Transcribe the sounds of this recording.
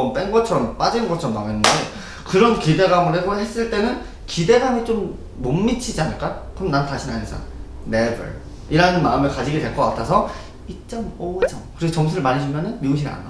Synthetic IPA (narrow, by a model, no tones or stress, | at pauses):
ʌmp͈enɡʌt͡ɕʰʌɾʌmp͈ad͡ʑinɯnɡʌt͡ɕʰʌɾʌmːaŋenːɯnde | kɯɾʌnkide̞ɡamɯɭɦeɡohe̞s͈ɯɭt͈e̞nɯn | kide̞ɡamit͡ɕomː | omːit͡ɕʰid͡ʑianɯɭk͈akɯɯmnantaɕʰinanesʰa̰ | nebɯ̰ɭ | iɾanɯnmaɯmɯɭkad͡ʑiɡedwe̞ɭk͈ʌk͈atʰasʰʌ | it͡ɕ͈ʌmot͡ɕʌmkɯɾiɡot͡ɕʌmsʰuɾɯɭmaɲiɕʰumjʌnɯnmiuɕ̬ʰiɾa̰na̰